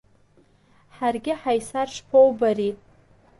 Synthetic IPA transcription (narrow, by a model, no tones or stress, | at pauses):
ħarɡʲɪħajsarʂpʰowbaɾi